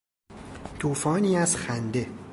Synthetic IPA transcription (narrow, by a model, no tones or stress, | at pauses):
t̪ʰuːfɒːniːæzxænd̪e̞